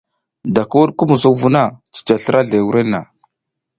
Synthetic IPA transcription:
da˨ka˦wu˦ɗku˦mu˨zu˦kvu˦na˦˨t͡si̥˨t͡ʃa˨ɬə˦ɾʔa˦ɮe˨wu˦ɾe˦nːa˨

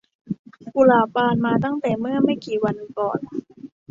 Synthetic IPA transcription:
ku˧˩laː˧˩paː˧nmaː˧t̪a˥˩ŋt̪ɛː˨˩mɯ˥˩ɐma˥˩jkiː˨˩wa˧nːɯ˧ŋkɔ̰ː˨˩n

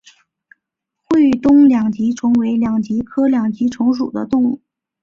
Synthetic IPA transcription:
xwe˥˩ɪt̪ʊ˥ŋljɑ˨˩ŋt͡ɕi˧˥ʈ͡ʂʰɤ˧˥ŋwe˧˥ɪljɑ˨˩ŋt͡ɕi˧˥kʰɤ˥ljɑ˨˩ŋt͡ɕi˧˥ʈ͡ʂʰʊ˧˥ŋʂ̬ṵ˨˩d̪ə̰˦t̪ʊ˥˧ŋu˥˩

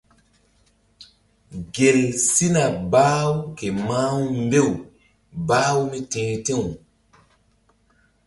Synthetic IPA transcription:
ɡe˨lsi˦na˨baː˦wke˨maː˦wmbe˦˨w | baː˦wmi˦tẽː˨te˦w

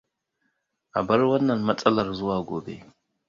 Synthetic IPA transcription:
a̰˨ba˦ɾwa˦nːa˨nma˦t͡sʼa˦la˨ɾzu˦wa˨ɡo̰ː˨bḛ˦

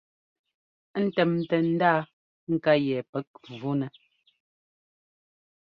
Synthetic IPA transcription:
n̩˦tɛ˨m˨tɛ˨n̩˦daː˦ | ŋ̩˨ka˦jɛ˨pɛ˦k̚vu˦nɛ˨

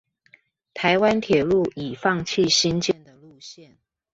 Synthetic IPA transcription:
t̪ʰa˧˦ɪwa˦nt̪ʰjɛ˨˩lu˥˩i˨˩fɑ˥˧ŋt͡ɕʰi˥˨ɕi˦nt͡ɕjɛ˥˩nd̪ə˨˩lu˥˧ɕjɛ˥˩n

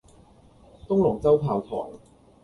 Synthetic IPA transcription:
t̪ʊ˥ŋlʊ˨˩ŋt͡sɐ˥wt̪ʰaː˨˩wt̪ʰɔ̰ː˨˩ŋ

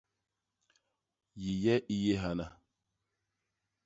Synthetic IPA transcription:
ji˨jɛ˦ʔi˦je˦ɦa˦na˦

